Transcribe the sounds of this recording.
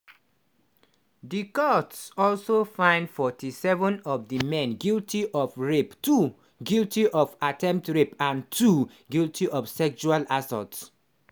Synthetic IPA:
dikɔtsɔlsofãɪ̃ndfɔtisɛvə̃nɔvdimɛ̃nɡiltʰiʔɔfɹeptu | ɡiltiʔɔfatʰɛ̃mp̚tɹepãntʰu | ɡiltʰiʔɔfsɛkt͡ʃualasɔ̰ts

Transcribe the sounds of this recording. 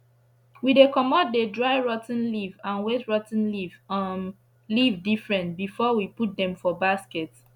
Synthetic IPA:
widekɔmɔt̚dedɹaɪɹɔtn̩livãnwetɹɔtn̩livm | livdifɹɛ̃ntbifɔwiput̚dɛ̃mfɔbaskɛt

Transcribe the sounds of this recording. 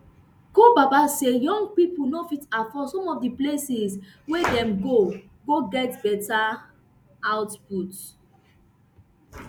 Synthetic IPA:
ɡ̥obabasejɔ̃ŋɡ̚pipunofitafɔsɔ̃mɔfdiplesis | wedɛ̃mɡo | ɡoɡɛtbɛta | aʊtput

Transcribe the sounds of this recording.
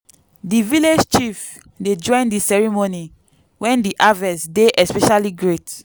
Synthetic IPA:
diviled͡ʒt͡ʃif | ded͡ʒɔ̃j̃ndisɛɹimoni | wɛ̃ndiʔavɛsdeʔɛspɛʃaliɡɹet

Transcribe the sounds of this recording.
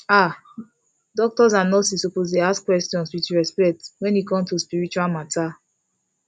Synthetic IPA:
a | dɔk̚tɔzãnɔsisopozdeaskwɛstjɔ̃nswit͡ʃiɹɛspɛk̚twɛ̃nikɔ̃mtuspiɹit͡ʃualmatʰa

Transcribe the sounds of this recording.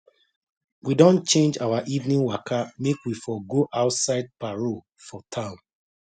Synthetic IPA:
widɔ̃nt͡ʃẽnd͡ʒawaʔivnĩŋwakʰamekwifɔɡoʔaʊtsaɪd̚paɹo | fɔtʰãʊ̃n

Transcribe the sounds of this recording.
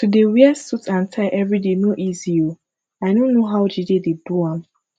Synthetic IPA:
tudewiɛsutʰãntʰaɪʔɛvɹidenoʔizio | aɪdõnːoɦawd͡ʒidededuãm

